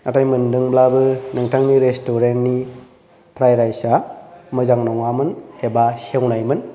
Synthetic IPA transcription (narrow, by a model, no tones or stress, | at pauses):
natajmɯndɯŋblabɯnɯŋtʰaŋniɾestoɾentni | pʰɾajɾajsamɯzaŋnɔŋamɯnebasewnajmɯn